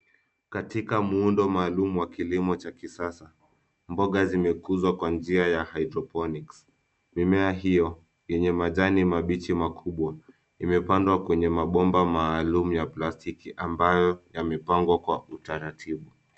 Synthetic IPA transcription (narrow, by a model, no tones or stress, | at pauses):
katikamuundɔmaːlumuwakilimɔt͡ʃakisasa | mbɔɠazimɛkuzwakwand͡ʒiajahajdɾɔpɔniks | mimɛaɦijɔ | jɛɲɛmaʄanimaɓit͡ʃimakʰuɓwa | imɛpandwakwɛɲɛmaɓɔmbamaːlumujaplastikiʔambajɔjamɛpaŋɡwakwautaɾatʰiɓu